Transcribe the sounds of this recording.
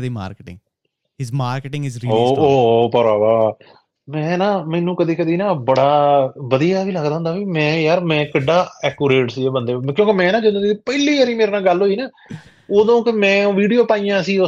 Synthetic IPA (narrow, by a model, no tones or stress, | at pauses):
d̪iːma̰ːɾkːʈɪ̰̃ŋɡ | hɪzmaːɾkːʈɪ̃ŋɡɪzɾoːoːpəɾaːbaː | mɛ̃ːnãːmɛːnũːkəd̪iːkəd̪iːnãːbəɽaːʋəd̪ijaːʋiːləɡd̪ãːnd̪aːʋiːmɛ̃ːjaːɾmɛ̃ːkəɖːaːɛːkuːɾeːʈsiːeːbənd̪eːkjõːkemɛ̃ːnãːd͡ʒɪd̪õːkɪiːpəjliːaɾĩːmeːɾeːnãːɡəlɦoːiːnaː | oːd̪õːkɪmɛ̃ːʋiːɖijoːpaːijãːsiːo